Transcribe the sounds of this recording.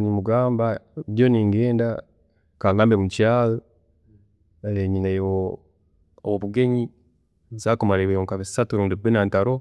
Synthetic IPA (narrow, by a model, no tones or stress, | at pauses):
nimuɡaːmbadjoniŋɡeːnda | kalaːmbemut͡ʃaːl | leɲinajwo | o̰βwoβuɡeɲi | nzakomaɾewejoŋkaβisatuɾuːndibinantaɾo